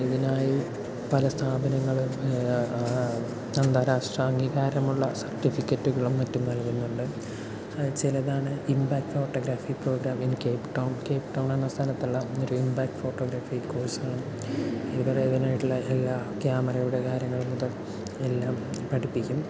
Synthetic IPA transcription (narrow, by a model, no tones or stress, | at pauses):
iðinaːji | pɐlɐst̪ʰaːbɐnɐŋːɐɭum | ɐnd̪aːɾaːʂʈrɐɐŋɡiɣaːɾɐmuɭːɐsɐrʈifikʲːɐtːuɣɐɭumːɐtːumnɐlkunːuɳɖɨ | t͡ɕilɐðaːɳɨimbaːkfo̞ːʈːo̞ːɡɾaːfipro̞ːɡɾaːminɨkeːpʈːɐwɳke̞ːpʈːɐwɳɐnːɐst̪ʰɐnɐt̪ːuɭːɐoɾuimbaːkfo̞ːʈːoːɡɾaːfikoːrsaːɳɨ | iðubɐreiðinaːjiʈːuɭːɐelːaːkjaːmɐɾɐjuɽe̞kaːɾjɐŋːɐɭumːuðɐl | e̞lːaːmpɐʈipːikʲːum